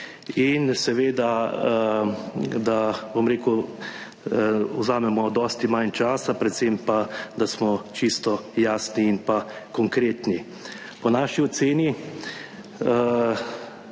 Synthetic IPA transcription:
insɛʋeːd̪a | d̪abomɾeːku | wzaːmɛmɔd̪ɔːst̪imant͡ʃaːsapɾɛt̪sempad̪asmɔt͡ʃist̪ɔjaːsniːnpakɔŋkɾeːt̪ni | pɔnaːʃiɔt̪seːni | ə

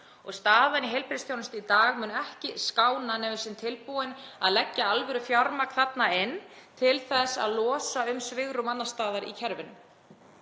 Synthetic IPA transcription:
ɔɣst̪aːðaniɦejlpɾɪst̪jownʏst̪ʏit̪aːɣmʏnɛhcɪskaːwnanɛːvɪsɪnt̪ʰɪlpuwɪnaðlɛcːaalvɛɾʏfjaɾmakθat̪naɪnt̪ʰɪlθɛsa̰ðlɔːsaʏmsvɪɣɾʏmat̪nast̪aːðaɾḭcʰɛɾvɪnʏm

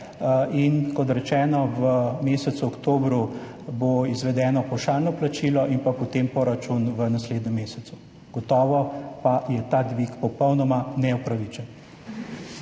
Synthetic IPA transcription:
inkɔt̪ɾɛt͡ʃɛːnɔʋəmeːsɛt̪suɔkt̪oːbɾu | boizʋɛd̪ɛːnɔpɔwʃaːlnɔplat͡ʃiːlɔʔinpapɔt̪empɔɾat͡ʃunʋənasleːd̪nɛmːeːsɛt̪u | ɡ̥ɔt̪ɔːʋɔpajɛt̪ad̪ʋikpɔpɔwnɔmanɛupɾaʋit͡ʃɛn

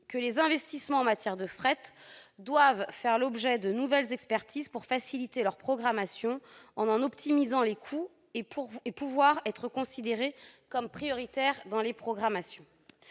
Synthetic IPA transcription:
kəlezɛ̃vɛst̪ismɑ̃ɑ̃mat̪jɛʁd̪əfχɛt̪d̪wavfɛʁlɔbʒɛd̪ənuvɛlzɛkspɛʁt̪izpuʁfasilit̪elœʁpχɔɡʁamasjɔ̃ɑ̃nɑ̃nɔpt̪ʰimizɑ̃lekʰu | eepuvwaʁɛt̪χəkɔ̃sid̪eʁekɔmpχijɔʁit̪ɛʁd̪ɑ̃lepχɔɡʁamasjɔ̃

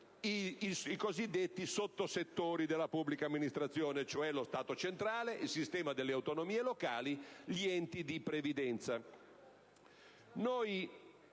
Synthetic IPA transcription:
isikozid̪ːet̪ːisot̪ːoset̪ːoːɾid̪elːapubːlikaːmːinist̪ɾat̪sːjoːnet͡ʃoɛlost̪aːt̪ot͡ʃent̪ɾaːleʔilsist̪ɛːmad̪elːeawt̪onomiːelokaːliʎiɛnt̪id̪ipɾevid̪ɛnt̪sa | noj

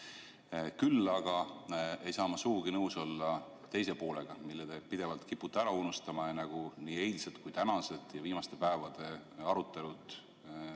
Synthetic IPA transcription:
kylːɑɡ̥ɑe̞jsɑːmɑsuːɡ̥inɤwso̞lːɑ | t̪e̞js̬e̞po̞ːle̞ɡ̥ɑmilːed̪̥e̞pid̪̥e̞vɑlt̪kipːut̪ːˑæɾɑunust̪ɑmɑenɑɡ̥uniːe̞jlset̪kujt̪ænɑse̞t̪ˑjɑviːmɑst̪e̞pæevɑd̪̥e̞ɑɾut̪ːˑe̞lut̪

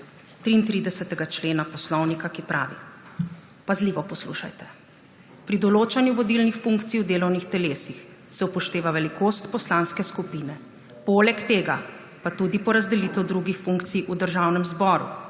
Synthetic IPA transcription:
t̪ɾiːnt̪ɾid̪ɛsɛt̪ɛɡat͡ʃleːnapɔslɔwnikakipɾʔa̰ːʋḭ | pazliʋɔpɔslṵːʃa̰jt̪ɛ̥ | pɾid̪ɔloːt͡ʃanjuʋɔd̪ilnixfuŋkt̪sijwd̪eːlɔwnixt̪ɛleːsix | sɛupɔʃt̪eːʋaʋɛlikʰoːst̪pɔslaːnskɛskupiːnɛ | polɛkt̪eːɡa̰ | pat̪ud̪ipɔɾazd̪ɛlit̪ɛwd̪ɾuɡixfuŋkt̪sijʔud̪əɾʒaːwnɛmzbɔːɾṵ

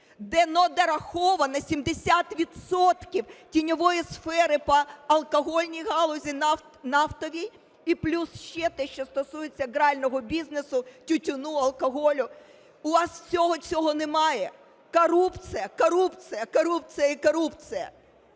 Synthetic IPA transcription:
d̪ɛnɔd̪ɐɾɐxɔʋɐnɐsʲimd̪esʲat̪ʋʲid̪sɔt̪kʲiwtʲinʲɔʋɔjisfɛɾɪpɐɐlˠkɔɦɔlʲnʲijɦɑlˠɔzʲi | nɑft̪ɔʋʲij | iplʲusʃt͡ʃɛt̪ɛʃt͡ʃɔst̪ɔsujet͡sʲːɐɡɾɑlʲnɔɦɔbʲiznesʊtʲʊtʲʊnuɐlˠkɔɦɔlʲʊ | ʊʋɑswt͡sʲɔɦɔt͡sʲɔɦɔnemɑjɛ | kɔɾupt͡s̪ʲɨjɐkɔɾupt͡s̪ʲɨjɐkɔɾup̚t͡s̪ɨjɐikɔɾupt͡sʲɨjɐ̰

